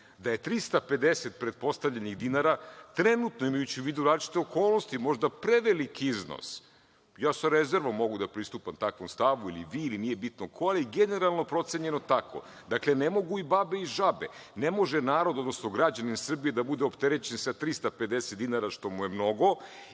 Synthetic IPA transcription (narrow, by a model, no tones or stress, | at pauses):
d̪aje̞t̪ɾist̪ape̞d̪eset̪pɾet̪̚po̞st̪aʋʎeniɣd̪inaɾat̪ɾenut̪noimajut͡ɕiuʋiːd̪uɾaːzlit͡ʃi̥t̪eoko̞ːlˠno̞st̪imo̞ʒd̪apɾeʋelikiizno̰s | jaːsaɾeze̞ɾʋomːo̞ɡud̪apɾist̪uːpamt̪akʋomst̪aʋuilḭʋiːlinije̞bit̪nokʰoaeɡene̞ɾalˠno̞pɾo̞t̪seɲe̞no̞t̪akʰo̰ | d̪aklenemo̞ɡuibabe̞iʒabḛnemo̞ʒenaːɾod̪o̞d̪no̞sno̞ɡɾad͡ʑaninsr̩bijed̪abud̪eopt̪eɾet͡ɕensat̪ɾist̪aped̪eset̪d̪inaɾaʃt̪o̞muje̞mno̞ɡo̞